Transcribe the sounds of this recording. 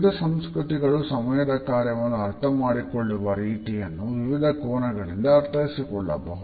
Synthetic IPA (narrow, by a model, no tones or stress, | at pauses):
d̪ʱɐsɐmskɾut̪iɡɐɭusɐmɐjɐd̪ɐkaːɾjɐʋɐnːuɐɾt̪ʰɐmaːɽikoɭːuʋɐɾiːʈijɐnːuʋiʋid̪ʱɐkɔːnɐɡɐɭind̪ɐːɾt̪ʰɐjisikɔɭːɐ̰bɐɦu